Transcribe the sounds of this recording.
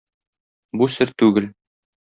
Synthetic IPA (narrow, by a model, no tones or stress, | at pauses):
busɘɾt̪ʉɡɘl